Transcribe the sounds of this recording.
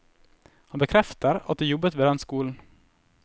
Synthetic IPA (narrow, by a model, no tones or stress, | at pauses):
hɑnbəkʰɾɛft̪əɾɑ̰t̪̚d̪eːjɔbːət̪ʋeːd̪ɛnskuːln̩